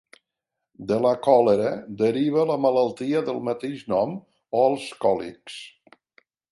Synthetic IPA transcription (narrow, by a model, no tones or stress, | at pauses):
d̪ələkɔləɾəd̪əɾiβələmələlˠt̪iəðəlˠmət̪eʒnɔm | oəlˠskɔlḭks